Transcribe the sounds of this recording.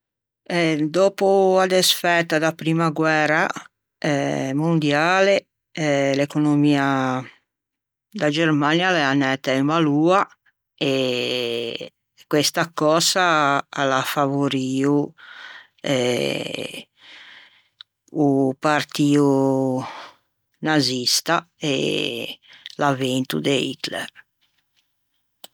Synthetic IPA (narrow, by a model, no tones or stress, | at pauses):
ɛd̪ɔːpuad̪esfɛt̪ːad̪apɾimaɡwɛːɾa | ɛmond̪jaːle | ɛlekonomiːa | d̪ad͡ʒermanjalɛanːɛt̪ːaimaluːa | e | kːwest̪akɔːsaalafavoɾiːu | ɛ | upaɾt̪iːu | nazist̪a | ɛ̰ | lavent̪ud̪ɛḭt̪lɛ̰ɾ